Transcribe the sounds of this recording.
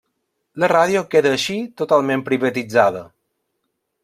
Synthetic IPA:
ləraðjokeðəːʃit̪ot̪alˠmẽmpɾiβət̪id͡zaðə

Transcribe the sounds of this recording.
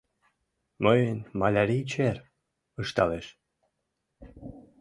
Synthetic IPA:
mɤjənmɑlʲæɾit͡ɕer | əʃt̪ɑleʃ

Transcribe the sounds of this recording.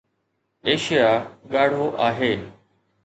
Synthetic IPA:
eːʃɪjaːɠaːɽ̤oːʔaːɦeː

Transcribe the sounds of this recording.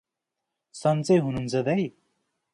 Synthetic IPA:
sʌnt͡sʌjɦununt͡sʰʌd̪ʌj

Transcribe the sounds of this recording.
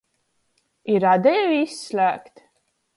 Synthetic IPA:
iɾad̪ɛvisːlʲæːkt̪

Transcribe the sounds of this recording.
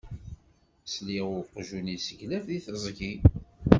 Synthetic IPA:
sliʁʊqʒunisəʝlæfðiθəzˤɡi

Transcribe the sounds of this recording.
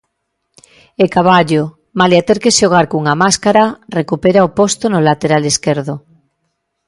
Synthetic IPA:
ekaβ̞aʎo | maleat̪eɾkeʃoɣ̞aɾkuŋamaskaɾarekupeɾaopost̪onolat̪eɾaleskeɾðo

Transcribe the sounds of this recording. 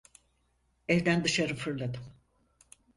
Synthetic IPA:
ɛvd̪ænd̪ɯʃaɾɯfɯɾlˠad̪ɯm

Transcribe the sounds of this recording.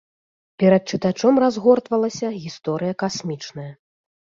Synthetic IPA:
pʲɛɾɐt̪̚t͡ʂɨt̪at͡ʂɔmrazɣɔrt̪vɐlˠɐsʲɐɣʲist̪ɔɾɨjɐkasʲmʲit͡ʂnɐjɐ

